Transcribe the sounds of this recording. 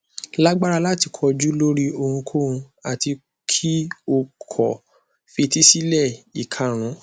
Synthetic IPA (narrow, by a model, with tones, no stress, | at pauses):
la˦ɡ͡ba˦ɾa˧la˦ti˨˧kʰɔ˧d͡ʒu˦lo˦ɾi˦o˧hũ˧kʰo˦ũ˧ | a˨ti˧ | kʰi˦o˧kʰɔ˨ | fe˧ti˦si˦lɛ˦˨i˨kʰa˨ɾ̃ũ˨˦